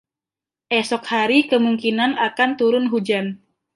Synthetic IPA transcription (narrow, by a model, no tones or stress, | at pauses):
ʔɛsɔkhaɾikəmuŋkinanakant̪uɾʊnɦud͡ʒan